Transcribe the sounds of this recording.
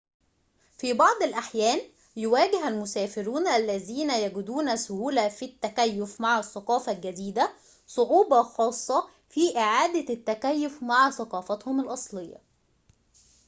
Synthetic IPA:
fiːbɑʕd̪ˤɪlʔaħjæːn | jʊwæːɡɪɦælmʊsæːfɪɾuːnʔælːæðiːnæjæɡʊd̪uːnæsʊhuːlæfit̪ːækæjːʊfmaʕæsːɑqɑːfɑlɡæd̪iːd̪æ | sˤoʕuːbɑxɑːsˤːɑ | fiːʔɪʕaːd̪æt̪ːækæjːʊfmaʕθɑqɑːfɑt̪hʊmɪlʔɑsˤlejːɑ̰

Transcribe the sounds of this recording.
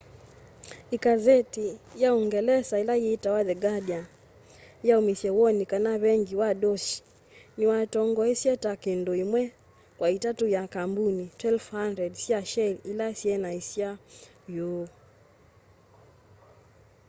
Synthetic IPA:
ikazɛtijauŋɡɛlɛsailaiitawaðɛɡaɗia | jaumisɛwɔnikanaβɛŋɡiwaɗɔʃi̥ | niwatɔŋɡɔisiɛtakindɔimwɛ | kwaitatujakambunitwɛlfhandɾɛdsiaʃɛlilaisiɛnaisia | ju

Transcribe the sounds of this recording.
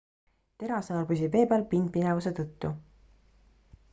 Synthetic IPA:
t̪e̞ɾɑseɑlbys̬ipe̞ːbeɑlpind̪̚pinevuse̞t̪ɤt̪ːu

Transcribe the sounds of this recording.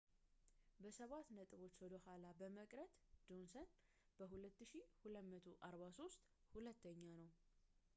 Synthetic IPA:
bəsəβat̪nət̪ʼɨβo̞t͡ʃːwɔd̪əhalabəməkʼɾət̪d͡ʒo̞nsən | b̥əɦulət̪ːɨʃihulət̪mət̪ʰoʔaɾβaso̞st̪ʼhulət̪ːəɲːanəw

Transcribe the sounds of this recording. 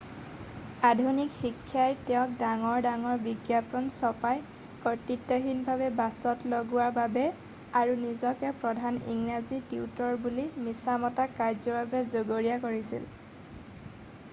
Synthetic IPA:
adʱunikxikʰːjajtɛʊ̃k̚daŋɔɹdaŋɔɹbiɡjapɔnsɔpaj | kɔtitːaɦinbʱabɛbasɔtloɡʊwaɹbabɛ | aɹunizɔkɛpɹɔdʱanḭŋɹazitiutɔɹbulimisamɔtakaɹzɔbabɛzoɡoɹijakoɹisḭl

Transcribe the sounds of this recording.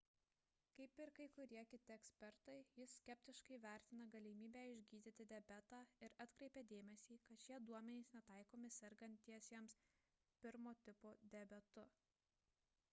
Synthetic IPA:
kɐɪpɪɾkɐɪkʊɾʲiɛkʲɪt̪ʲɪɛksʲpʲɛɾt̪ɐɪjɪsːʲkʲɛpʲt̪ʲɪʃkɐɪʋʲæˑɾʲt̪ʲɪnɐɡɐlʲɪmʲiːbʲæːɪʒʲɡʲiːd̪ʲɪt̪ʲɪd̪ʲɛbʲæt̪ɑːɪɾɐt̪ʲkɾʲɛɪpʲɛːd̪ʲeːmʲɛsʲiːkɐt̪ʃʲiɛd̪uɔmʲɛnʲeɪsnʲɛt̪ɐˑɪkoːmʲɪsʲɛɾɡɐnʲt̪ːʲiɛsʲiɛms | pʲɪɾmoːt̪ʲɪpoːd̪ʲɛbʲɛt̪ʊ

